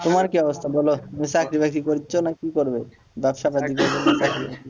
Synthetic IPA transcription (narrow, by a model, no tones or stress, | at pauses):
t̪omaɾkiɔbost̪ʰabolomisakɾibɛk̚t̪ikoɾitːɕʰonakikoɾbe | bɛbʃapad̪ikoɾbemisakʰɾibḛk̪i